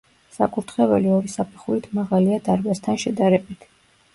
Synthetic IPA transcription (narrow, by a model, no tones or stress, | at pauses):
sa̰kʼuɾt̪ʰχɛvɛ̰liɔɾisapʰɛχuɾit̪ʰmaʁaliad̪aɾbast̪ʰanʃɛd̪aɾɛbit̪ʰ